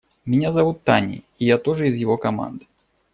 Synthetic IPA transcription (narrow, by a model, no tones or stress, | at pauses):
mʲɪnʲazɐvut̪ːanʲḭ | ijat̪oʐɨizjɪvokɐma̰nd̪ɨ̥